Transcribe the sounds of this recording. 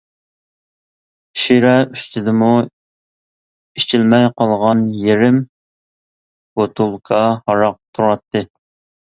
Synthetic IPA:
ʃiɾɛyst̪ʰɪd̪ɪmu | it͡ʃʰilmɛjqɑlˠʁɑnjeɾɪm | ot̪ʰulˠkʰɑhɑɾɑq̚t̪ʰuɾɑt̪ʰːɨ

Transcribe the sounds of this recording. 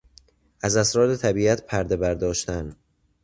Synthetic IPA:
ʔæzæsɾɒːɾe̞t̪ʰæbiːæt̪pʰæɾd̪e̞bæɾd̪ɒːʃt̪æn

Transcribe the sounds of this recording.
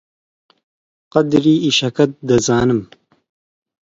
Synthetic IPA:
qɐd̪ɾiːiʃɐkɐt̪̚d̪ɐzɑːnɨm

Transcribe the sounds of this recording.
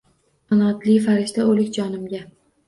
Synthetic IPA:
sanɒt̪lɪfaɾɪʃt̪aolɪkʲd͡ʒɒnɪmɡʲa

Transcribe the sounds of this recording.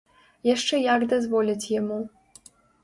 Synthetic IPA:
jaʂt͡ʂɛjaɡd̪azvɔlʲit͡sʲjamu

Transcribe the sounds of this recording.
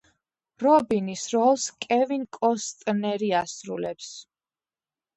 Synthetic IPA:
ɾɔbinisɾɔlˠskʼɛvinkʼɔst̪ʼnɛɾiasɾṵlɛps

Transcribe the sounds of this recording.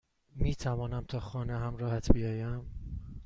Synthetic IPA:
miːt̪ʰævɒːnæmt̪ʰɒːxɒːneɦæmɾɒːhæt̪ʰbijɒːjæm

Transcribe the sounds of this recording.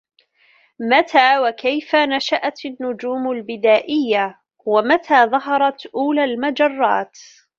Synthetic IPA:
mat̪ʰaːwakajfanaʃaʔat̪ɪnːʊd͡ʒuːmʊlbɪd̪aːʔɪjːa | wamat̪ʰaːðˤɑɦɑɾˤɑt̪ʔuːlaːlmad͡ʒɑrˤːɑ̰ːt̪

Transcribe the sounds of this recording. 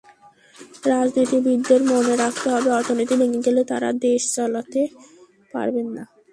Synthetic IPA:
ɾad͡ʑnit̪ibid̪ːeɾmoneɾak̚ʰt̪eɦɔbeɔɾt̪ʰonit̪ibeŋiɡelet̪a̰ɾa̰d̪eʃt͡ɕɔlat̪e | pa̰ɾbenːa

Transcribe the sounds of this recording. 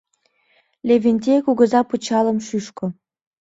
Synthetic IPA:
lʲevʲenʲt̪ʲekuɣə̆zɑpət͡ɕɑlə̆mʃyʃko

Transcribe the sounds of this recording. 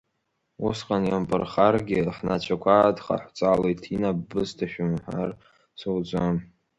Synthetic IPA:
usqʼanjampʼɨrχarɡʲɪrħnat͡ʃʷʰakʷʰaːdχa̰ħʷt͡sʼalejtʰinabːɨztʰaʃᶣʊmħar | sowd͡zʷam

